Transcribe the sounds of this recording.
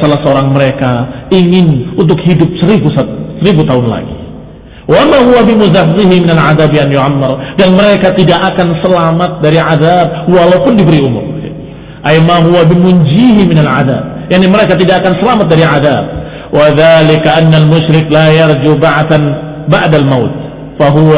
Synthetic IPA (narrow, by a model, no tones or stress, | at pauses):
salasəoɾaŋməɾekaiŋɪnunt̪̬ʊkhidʊp̚səɾibusasəɾibut̪aʊnla̰ɡḭ | wamaɦuwabimuzaɦziɦimɪnalʕaðabjanjuʕamːardanməɾekat̪idaʔakansəlamat̪̚daɾiʕaðab̚walapʊndibəɾiumʊ̰m | ʔajmaɦuwabimund͡ʒiɦimɪnalʕa̰ða̰ːb̚jaʕniməɾekat̪idaʔakansəlamat̪̚daɾiʕaða̰b̚ | waðalɪkaʔanːalmʊʃɾɪklajard͡ʒubaʕt̪an | baʕdalmawt̪̚ | faɦua